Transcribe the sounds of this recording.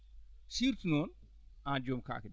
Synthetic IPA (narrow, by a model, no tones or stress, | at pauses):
siɾt̪non | ad͡ʒomka̰ːkd